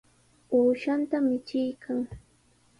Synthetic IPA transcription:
awʃant̪amɪt͡ʃɪjkʰaŋ

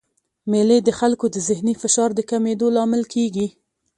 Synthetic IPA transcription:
meled̪əxalkod̪əzɪhnifɪʃɑɾd̪əkamed̪olɑmɪlkʰeɡi

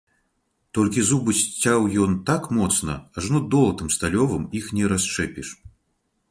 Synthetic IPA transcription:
t̪ɔlʲkʲizubɨsʲt͡sʲːawjɔnt̪akmɔt̪snɐ̰aʐnɔd̪ɔlˠɐt̪ɨmst̪alʲɔvɨmixnʲɛɾast͡ʂɛpʲiʂ

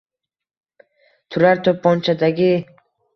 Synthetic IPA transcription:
t̪ʰuɾaɾt̪ʰopːɔnt͡ʃʰad̪aɡʲi

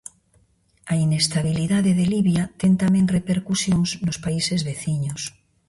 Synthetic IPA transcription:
ainest̪aβ̞iliðaðeðeliβjat̪ent̪amẽŋrepeɾkusjoŋsnospaisezβeθiɲos

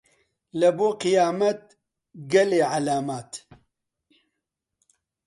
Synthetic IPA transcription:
lɐboːqɨjaːmɐt̪̚ | ɡɛleːʕalaːmaːt̪

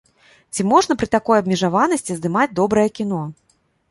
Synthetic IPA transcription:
t͡sʲimɔʐn̪ɐpɾɨt̪akɔjɐbʲmʲiʐavanɐsʲt͡sʲizd̪ɨmad͡zʲd̪ɔbɾɐjɛkʲin̪ɔ

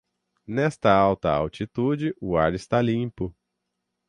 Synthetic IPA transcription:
nɛst̪ɐawt̪ɐa̰wt͡ʃit̪ud͡ʒɪʔʊaɾɪst̪alĩpʊ

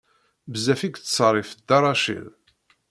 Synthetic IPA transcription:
bzæfiɡt͡st͡sːˤərˤifd̪ɑɾˤɑʃḭl

